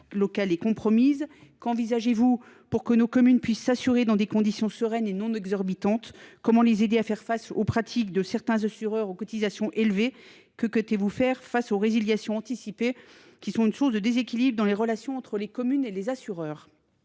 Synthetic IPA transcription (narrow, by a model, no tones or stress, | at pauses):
lɔkalekɔ̃pχɔmizkɑ̃vizaʒevu | puʁkənokɔmynpɥisːasyʁed̪ɑ̃d̪ekɔ̃d̪isjɔ̃səʁɛnenɔ̃nɛɡzɔʁbit̪ɑ̃t̪kɔmɑ̃lezed̪eafɛʁfasopχat̪ʰikd̪əsɛʁt̪ɛ̃zasyʁœʁokɔt̪izasjɔ̃ʔelve | kəkət̪evufɛʁfasoʁeziljasjɔ̃ɑ̃t̪isipe | kʲisɔ̃tynsuʁsd̪əd̪ezekʲilibʁəd̪ɑ̃leʁəlasjɔ̃ɑ̃t̪χəlekɔmynelezasyʁœːʁ